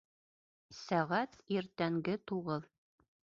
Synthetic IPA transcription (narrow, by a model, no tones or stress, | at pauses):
sæʁæt̪iɾt̪æŋɡɘt̪uʁɤðˠ